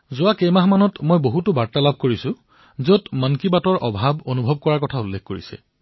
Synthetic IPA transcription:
zʊwakemaɦmanɔtmojboɦutʊbaɹtalab̚ʱkoɹisʊ̃ | zotmankibatɔɹʔɔbʱabonubʱɔb̚kɔɹaɹkɔtʰaulːekʰkoɹisɛ̰

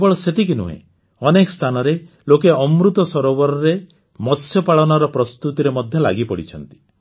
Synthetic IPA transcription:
bɔɭɔset̪ikinṵɦḛ̃ | ɔnekɔ̥st̪ʰanɔɾe | lokeɔmɾut̪ɔsɔɾobɔɾɔɾe | mɔsʰjɔpaɭɔnɔɾɔpɾɔst̪ut̪iɾemɔd̪ʱjɔla̰ɡipɔɽit͡ʃʰɔnt̪i̥

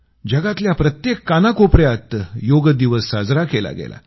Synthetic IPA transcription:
d͡ʑəɡat̪ljapɾət̪jekːanakopɾjat̪joɡd̪iʋəsːad͡zɾakela̰ɡḛla̰

